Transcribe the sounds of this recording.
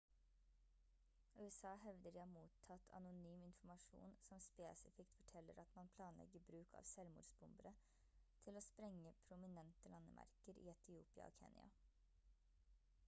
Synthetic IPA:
ʉːɛsɑːhɛʋd̪əɾɪɑːmuːt̪ʰːɑt̪ʰɑ̰nʊnyːmɪnfmɑʂṵːnsɔmspeːsɪfɪkt̪fɔʈʰɛlːəɾɑt̪mɑnpʰlɑːnlɛ̰ɡəbɾʉːkʰɑ̰ːʋsɛlmṵːɖsbʊmbəɾə | t̪ʰɪloːspɾɛŋːəpʰɾʊmɪnɛnt̪əlɑnəmʔæ̰ɾkəɾḭːɛt̪ʰɪuːpɪɑ̰oːkʰɛ̰ːnj̰ɑ̰

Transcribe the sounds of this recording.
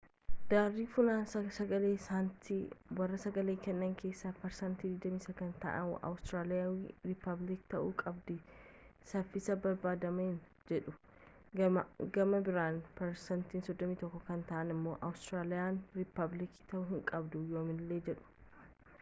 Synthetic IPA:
d̪̥aːrːiːfʊlaːnɐsɐɡɐle̞ːsaːnt̪iwɐrːɐsɐɡɐle̞ːkɛnːɐŋkʰe̞ːsːapɐɾsɐnt̪iːd̪ɪɡd̪ɐmiːsɐkɐnt̪ɐ̰ʔɐ̰mʊ̰ʔɐ̰wʊst̪ɾaːlɪawɾɪpːɐblɪkt̪ɐʔuːkʼɐbd̪ɪsɐfːɪsɐbɐɾbaːd̪ɐmɐɪn | d͡ʒɛᶑʊ | ɡɐmɐbɪɾaːnpɐɾsɐnt̪iːnsɔd̪ːɔmiːt̪ɔkːɔkɐnt̪ɐʔɐnɪmːo̞ːʔɐwʊst̪ɾaːlɪjaːnɾɪpːɐblɪkt̪ɐʔʊɦɪŋkʼɐbd̪ʊjoːmɪnɪlːeːd͡ʒɛᶑʊ̥

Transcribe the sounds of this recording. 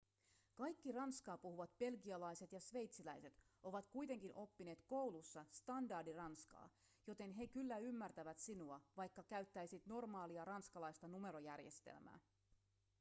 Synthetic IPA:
kɑjkːirɑnskɑːpuhuʋɑt̪̚be̞lɡiɑlɑjse̞t̪jɑsʋe̞jt̪silæjse̞t̪ | ʔo̞ʋɑt̪kujt̪e̞ŋkinʔo̞pːineːt̪ko̞wlusːɑst̪ɑndɑrdirɑnskɑ̰ː | jo̞t̪e̞nɦe̞kylːæymːært̪æʋæt̪sinuɑʋɑjkːɑkæyɥt̪ːæjsit̪no̞rmɑːliɑrɑnskɑlɑjst̪ɑnume̞ɾo̞jærje̞̰st̪ḛlmæ̰ː

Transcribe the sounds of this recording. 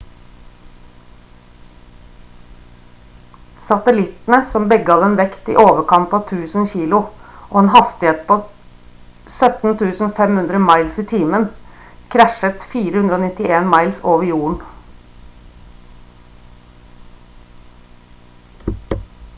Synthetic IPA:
sɑt̪əlɪt̪n̩əsɔmbɛɡɑːʋɛːnʋɛkt̪ḭːʔoːʋəkʰɑnt̪ɑːʋt̪ʰʉːsn̩çiːlʊʔoːeːnhɑst̪ɪeːt̪̚pʰoː | sœt̪n̩t̪ʰʉːsn̩ofɛmhʉnd̪ɾəmɑɪlsiːt̪ʰiːmən | kʰɾæʃət̪fiːɾəhʉnd̪ɾəoːnɪt̪ɪeːnmɑɪlsoːʋəɾjuːəɳ̩

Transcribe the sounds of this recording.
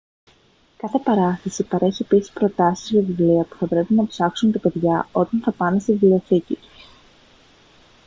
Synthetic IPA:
kɐθe̞pɐɾɐθɐsipɐɾe̞çie̞pisi̥spɾo̞t̪ɐsizʝɐvivliɐpu̥θɐpɾe̞pinɐpsɐksunt̪ɐpe̞ðʝɐo̞t̪ɐnθɐpɐne̞st̪ivilioθici

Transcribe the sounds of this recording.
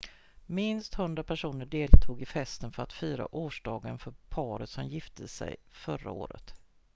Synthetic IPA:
mɪnst̪hɵnd̪ɾapʰæʂuːnəɖeːlt̪ʰuːɡɪfɛst̪ənfœɾat̪fyːɾa̰ʔoːʂɖɑːɡənfœɾpʰɑːɾət̪sɔmjɪft̪ʰəsɛ̰jfœɾa̰o̰ːɾə̰t̪

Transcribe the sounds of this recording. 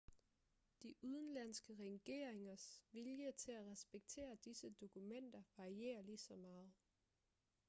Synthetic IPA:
d̥iʔuð̞ˠn̩læn̰sɡ̥əʁɛɡ̥e̝̰ːɐ̰eŋɐsʋiljət͡sʰe̝læʁɛsb̥eɡ̥̚t͡sʰe̝̰ːɐd̥isəd̥o̝kʰumen̰d̥ɐʋɑ̈ʁie̝̰ːɐliːsɒ̽mɑ̈ːð̞̩ˠ

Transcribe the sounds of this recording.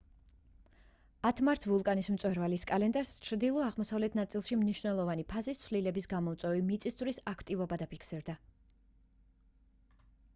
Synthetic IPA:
at̪ʰmaɾt̪sʰvulˠkʼanismt̪sʼwɛɾvaliskʼalɛnd̪aɾst͡ʃʰɾd̪ilˠɔaʁmɔsavlɛt̪ʰnat̪sʼilˠʃimniʃnɛlˠɔvanipʰazist̪sʰvlilɛbisɡamɔt̪sʼwɛvimit̪sʼist̪ʼvɾisakʰt̪ʼivɔbad̪apʰikʰsiɾd̪a

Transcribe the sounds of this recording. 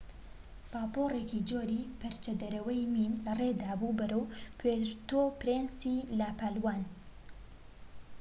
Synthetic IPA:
paːpoːrekid͡ʒoːɾipɐɾt͡ʃɐd̪ɐɾɐwɐjminlɐred̪aːbubɐɾɐwpʰeɾt̪opɾensilapaːlwaːn

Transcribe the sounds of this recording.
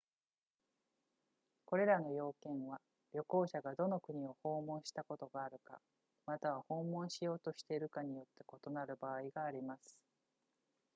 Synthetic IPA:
ko̞ɾe̞ɾano̞jo̞ːkẽ̞ɰ̃βa | ɾʲo̞ko̞ːɕaɡad̪o̞no̞kɯ̟ɲ̟io̞ho̞ːmõ̞ɰ̃ɕi̥t̪ako̞t̪o̞ɡaːɾɯ̟ka̰ | mat̪aβaho̞ːmõ̞ɰ̃ɕijo̞ːt̪o̞ɕi̥t̪e̞iɾɯ̟kaɲ̟ijo̞t̪ːe̞ko̞t̪o̞naɾɯ̟baːiɡaːɾʲimasɨ̥

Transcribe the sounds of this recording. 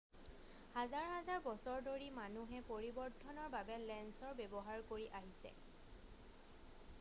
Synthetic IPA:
hazaɹɦazaɹbɔsɔɹdoɹimanuɦɛpoɹibɔɹtʰːɔnɔɹbabɛlɛnsɔɹbebɔɦaɹkoɹiʔaɦisɛ̰

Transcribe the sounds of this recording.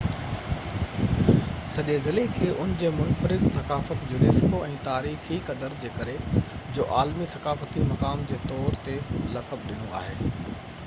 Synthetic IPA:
sɐʄezɪlekʰeːʔʊnd͡ʑeːmʊnfəɾɪzsɐkaːfət̪d͡ʑʊneːsɪkoɛ̃ːt̪aːɾiːxikɐd̪əɾd͡ʑeːkɐɾe | d͡ʑoːʔaːlmisɐkaːfət̪imɐkaːmd͡ʑeːt̪ɔːɾt̪elɐkəb̚ɗɪnoa̰ːɦeː

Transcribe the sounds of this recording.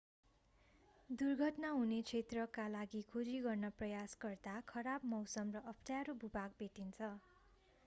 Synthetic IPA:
d̪urɡʱʌʈnaɦunet͡sʰet̪rʌkalaɡikʰod͡ziɡʌrnʌprʌjasɡʌrd̪akʰʌɾabmʌwsʌmrʌʔʌpʰʈaɾobubaɡ̚beʈint͡sʰʌ

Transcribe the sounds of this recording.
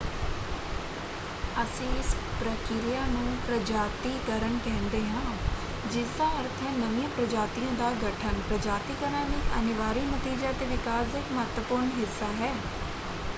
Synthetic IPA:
əsĩːɪspɾəkiːlɪjaːnũːpɾəd͡ʒaːt̪iːkəɾəɳkɛ̃ːnd̪eːɦãː | d͡ʒɪsd̪ãːəɾt̪ʰənəʋijãːpɾəd͡ʒaːt̪ijãːd̪aːɡəʈʰənpɾəd͡ʒaːt̪iːkəɾãːnĩːʔənɪʋaːɾiːnət̪iːd͡ʒaːt̪eːʋɪkaːsɪkmət̪wəpʊɾɳɦɪsːaːɦɛː

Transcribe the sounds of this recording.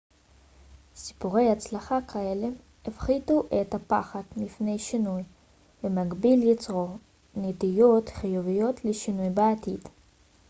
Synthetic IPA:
si̥puʁe̞jhat͡slaχakʰaele | efχit̪uʔet̪apa̰χad̪mifne̞jʃinuj | vemaɡbiljit͡sʁo | net̪ijo̞t̪χijuvijo̞t̪leʃinujbeat̪id̪̥

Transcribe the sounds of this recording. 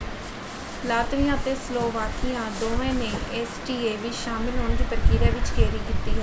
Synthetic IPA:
laːt̪ʋijãːt̪eːsloːʋaːkʰijãːd̪oːɛ̃ːneːʔɛːsʈiːeːʋiːʃaːmɪlɦoːnd̪iːpəɾkiːɾɛːʋɪt͡ʃɡɛːɾiːkɪt̪ːiːɦɛː

